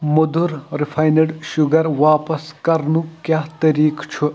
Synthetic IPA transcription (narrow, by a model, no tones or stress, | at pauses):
mud̪uɾɾifʰajnɐɖʃuɡɐɾʋaːpɐskɐɾnukjaːt̪ɐɾiːkt͡ʃʰu